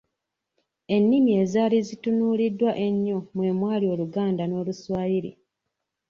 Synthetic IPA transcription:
e̞nːimie̞zaːlizitunuːlidːwaʔe̞ɲːo̞mwe̞ːmwaːlio̞luɡaːndano̞ːluswaːjiɾḭ

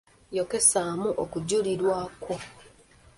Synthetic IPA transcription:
jo̞ke̞saːmuʔokuɟuliɾwaːko

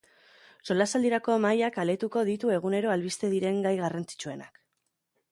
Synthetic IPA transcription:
so̞lasald̪iɾako̞majakale̞t̪uko̞ð̞it̪ue̞ɣ̞une̞ɾo̞alβist̪e̞ðiɾe̞ŋɡajɣarant͡si̥t͡ʃue̞na̰k

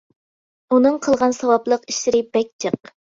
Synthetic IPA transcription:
unɨŋqʰəlˠʁɑnsɑwɑblˠəqiʃlɪɾɪbɛk̚ʲt͡ʃʰəq̚

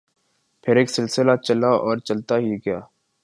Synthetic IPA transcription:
pʰɪɾeːksɪlsɪlat͡ʃɐlaɔːɾt͡ʃɐlt̪aɦiɡɐjaː

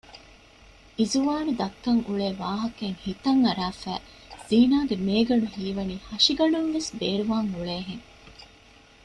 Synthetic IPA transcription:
ʔizuʋaːnud̪ɐkːɐŋuɭeːʋaːɦɐkeŋhit̪ɐŋɐɾaːfæ̰ː | z̥iːnaːɡemeːɡɐɳuhiːʋɐniːhɐʃiɡɐɳumʋesbeːɾuʋaːŋuɭeːɦeŋ

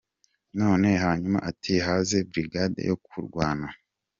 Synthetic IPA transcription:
no̞ːne̞haːɲuma̰ʔatʰihaːze̞bɾiɡadḛjokʰuɾɡwaːna

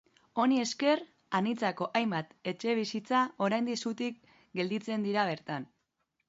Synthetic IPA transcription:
o̞nie̞ske̞r | anit͡sako̞ʔajmbat̪e̞t͡ʃe̞β̞isit͡sao̞ɾajnd̪isut̪ik̚ | ɡe̞ld̪it͡se̞nd̪iɾaβ̞e̞ɾt̪an

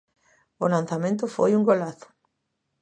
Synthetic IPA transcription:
olan̟θamẽnt̪̬ʊfo̰juŋɡolaθʊ̥

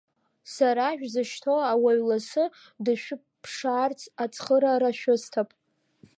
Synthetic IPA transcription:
saɾaʒᶣzɨʃtʰoawaɥlasɨ | dɨʃᶣʊ | pʰʂaːrt͡sʰʼat͡sʰʼχəɾaɾaʃᶣʊstʰapʼ

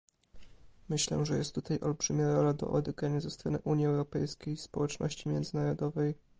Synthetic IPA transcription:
mɘɕlɛ̰ʐɛjɛst̪ːut̪ajʔɔ̰lbʐɘmʲjaɾɔlad̪ɔ̰ʔɔd̪ɛɡɾaɲazɛst̪ɾɔnɘ̰ʔuɲjiɛwɾɔpɛjskʲejspɔwɛt͡ʂnɔ̰ɕt͡ɕimʲjɛnd̪zɘnaɾɔd̪ɔvɛj

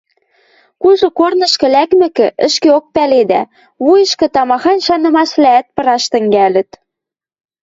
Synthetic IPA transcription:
kuʒŏkornɤ̆ʃkɤ̆lækmɘ̆kɘ̆ʔə̆ʃkeok̚pæled̪æ | βujɤ̆ʃkɤ̆t̪ɑmɑxɑnʃɑnɤ̆mɑʃlæːt̪̚pɤ̆ɾɑʃt̪ə̆ŋɡælə̆t̪

